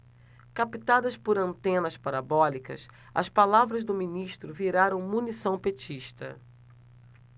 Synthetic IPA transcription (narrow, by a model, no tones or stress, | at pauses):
kapit̪ad̪ɐspoɾɐ̃nt̪ẽnɐspaɾabɔlikɐ̰s | ɐ̰spalavɾɐzd̪ʊmĩniʃt̪ɾʊviɾaɾɐ̃w̃munisɐ̃w̃pet͡ʃiʃt̪ɐ̰